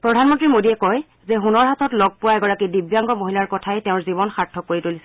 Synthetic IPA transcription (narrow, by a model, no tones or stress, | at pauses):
pɹɔdʱanmɔntɹimodiɛkɔj | zɛxunɔɹɦatʰɔtlɔɡ̚pʊwaɛɡɔɹakidibjaŋɡɔmoɦilaɹkɔtʰaɛtɛʊ̃ɹzibɔnxaɹtʰːɔkoɹitolisɛ̥